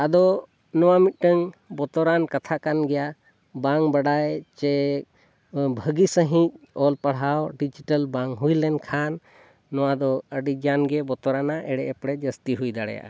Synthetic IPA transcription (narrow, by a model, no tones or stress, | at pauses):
ad̪ɔ | nɔwamit̪̚ˀʈəŋbɔt̪ɔɾankat̪ʰakanɡɛja | baŋbaɖajt͡ʃɛ | bʱəɡisəɦĩc̚ɔlpaɽɦawɖid͡ʒiʈəlbaŋɦujlɛnkʰanː | ɔwad̪ɔəɖid͡ʒanɡɛbɔt̪ɔɾanaʔɛɽɛʔɛpɽɛd͡ʒəst̪iɦujd̪aɽɛ̰ja̰ʔa